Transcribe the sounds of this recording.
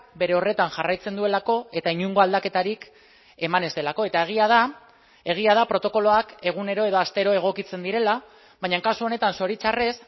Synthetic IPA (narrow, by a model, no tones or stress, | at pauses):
be̞ɾe̞o̞re̞t̪anʝarajt͡se̞nd̪ue̞lako̞e̞t̪aiɲuŋɡo̞ald̪ake̞t̪aɾik | e̞mane̞st̪elako̞e̞t̪aeɣ̞iað̞a | e̞ɣ̞iað̞apɾo̞t̪o̞ko̞lo̞ake̞ɣ̞une̞ɾo̞e̞ðo̞ast̪e̞ɾo̞e̞ɣ̞o̞kit͡se̞nd̪iɾe̞la | βajɲaŋkasuo̞ne̞t̪anso̞ɾit͡sare̞s